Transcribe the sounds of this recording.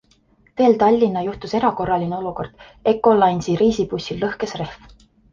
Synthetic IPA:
ve̞ːlt̪ɑlʲːinːɑjuht̪use̞ɾɑko̞rːɑlineo̞luko̞̰rd̪̥ | e̞kːˑo̞lɑjnsiɾiːsipusʲːilːɤhke̞sre̞hf

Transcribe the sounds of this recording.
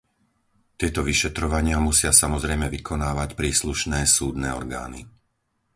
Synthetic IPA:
t̪ɪɛt̪ɔʋiʃɛt̪ɾɔʋaɲɪamusɪasamɔzɾɛjmɛʋikʰɔnaːʋacpɾiːsluʃnɛːsuːd̪nɛːɔɾɡa̰ːni

